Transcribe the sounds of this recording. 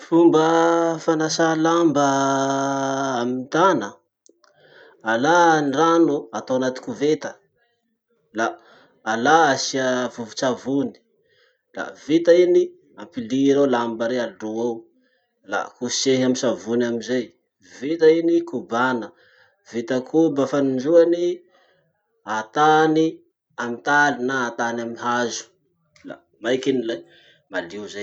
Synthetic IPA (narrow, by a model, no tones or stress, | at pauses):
fumbəfanasalambə | amint̪anə | alaniranuat̪awanat̪i̥kʲuvet̪ə̥ | laː | laasiəvuvut͡ʃavuni̥ | la̰vit̪aini | ampiliɾolambəɾeaɖ͡ʐuaw | la̰kuʃeɦamisavunamizej | vit̪ainikubanə | vit̪əkʰubəfanind͡ʒuani | at̪ani | amit̪alinaːt̪anamiɦazu̥ | la̰ | majkinila | maliuzej